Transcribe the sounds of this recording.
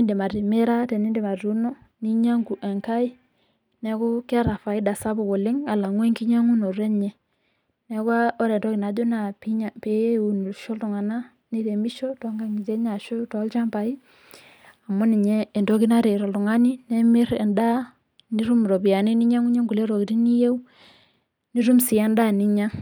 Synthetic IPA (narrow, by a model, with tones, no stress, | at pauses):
nde˨ma˨ɾi˨me˦ɾa˦tɛ˨ni˦de˨ma˨ɾu˦nɔ˦ | ni˦ɲa˦ŋɡu˨ʔɛ˨ŋka˦i˦ | nɛ˨kɔ˦kɛ˦ɾa˨fa˨i˦da˨sa˦bo˨ko˨le˦ŋa˨la˨ŋwɛ˦ŋki˦ɲa˦ŋu˦no˨ɾɛ˦ɲɛ˨ | nɛ˨kwa˦ɔ˦ɾɛ˨n˨tɔ˦ki˨na˨d͡ʒo˦na˨pi˦ɲ˨pe˨˦u˨nu˨ʃɔ˦ltu˨ŋa˨na˦ | ni˦ɾe˨mi˦ʃo˦tɔ˦ŋɡa˦ŋi˨ze˦ɲa˨ʃo˦tɔ˨˦lt͡ʃa˦mpa˨i˦ | a˨mʊ˦ni˨ɲeː˦˨ndo˦ki˦na˦ɾe˨ɾɔ˨ltʊ˨ŋa˦ni˦ne˦mɪ˦ɾɛ˨nda˦ | ni˦ɾu˦mɾo˨bi˨ja˨ni˦ni˦ɲa˦ŋu˦ɲe˦ŋɡu˨le˦ɾo˨ki˨ti˦ni˦je˦u˦ | ni˦ɾu˦msi˨a˦nda˦ni˦ɲa˦